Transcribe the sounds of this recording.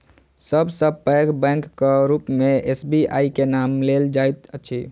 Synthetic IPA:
səbʱsəbpəkbɛ̃ŋkːɾupmẽesbia̰ikenamleld͡ʒajt̪ət͡ʃʰi

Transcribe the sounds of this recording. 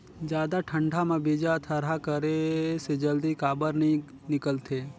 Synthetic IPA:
d͡ʒjad̪aʈʰəɳɖʱamãbid͡ʒat̪ʰəɾɦakəɾesed͡ʒəld̪ikaːbəɾni | nɪkəlt̪ʰe

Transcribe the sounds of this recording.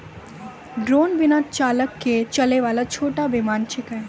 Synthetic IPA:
ɖɾoːnbɪnat͡ʃaːləkːet͡ʃɐleʋaːlat͡ʃʰoːʈabɪmaːnt͡ʃʰɪkɦɛː

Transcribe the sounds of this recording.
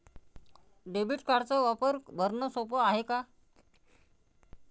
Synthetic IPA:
ɖebiʈkaɽt͡saʋapəɾbʱəɾnəsopəaɦeka

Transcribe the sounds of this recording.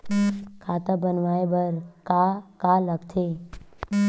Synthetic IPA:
kʰaːt̪abənʋaːebəɾkakaləɡt̪ʰe

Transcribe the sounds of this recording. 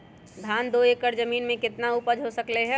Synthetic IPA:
d̪ʱaːnd̪oeːkəɾd͡ʒɐmiːnmẽkɪt̪nauːpəd͡ʒɦosɐkleɦɛ̃

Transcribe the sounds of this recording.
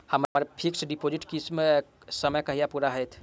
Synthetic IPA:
hɐmaːɾepʰɪksɖɪpoːd͡ʒɪʈkisme | səməjkɐɦijapuːɾaɦɛt̪ʰ

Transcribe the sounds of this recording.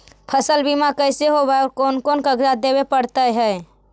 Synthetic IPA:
pʰəsəlbimakəɪseɦobaeɔːɾkoːnkoːnkəɡd͡ʒad̪ebepəɽt̪əɦɛe

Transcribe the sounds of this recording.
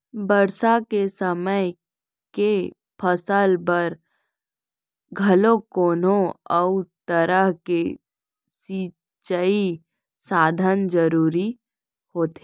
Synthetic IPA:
bəɾsakesəməj | ke | pʰəsəlbəɾ | ɡʱɐlõkoːnõɔut̪əɾəɦke | siː | t͡ʃəi | saːd̪ʱənd͡ʒəɾuːɾi | hoːt̪e

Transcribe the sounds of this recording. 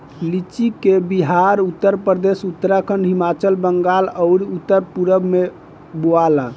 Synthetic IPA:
lit͡ʃikebiɦaɾut̪ːəɾpɾəd̪esut̪ːɾakʰənɖɦimat͡ʃəlbəŋɡaləʊɾut̪ːəɾpuɾəbme | boala

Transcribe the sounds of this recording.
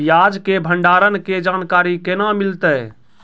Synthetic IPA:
jad͡ʒkebʱəɳɖaːɾənked͡ʒaːnkaɾikenamilt̪ə

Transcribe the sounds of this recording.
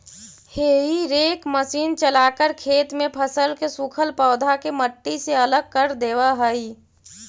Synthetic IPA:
heːɦiɾeːkməsiːnt͡ʃəlaːkəɾkʰeːt̪mẽpʰəsəlkesukʰəlpɔːd̪ʱakeməʈːiseələɡ̚kəɾd̪eːwaɦəi

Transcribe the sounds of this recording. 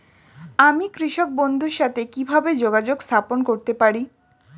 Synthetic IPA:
amikɾiʃok̚bond̪ʱuɾʃat̪ʰekibʱabed͡ʑoɡad͡ʑoɡst̪ʰaponkoɾt̪epaɾi

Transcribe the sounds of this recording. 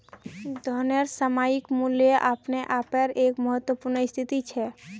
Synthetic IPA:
d̪ʱɔneɾsəmaːikmuljeʔa̰ːpneʔaːpəɾeːkməɦət̪wəpuɾnəɪst̪ʰit̪it͡ʃʰɛ

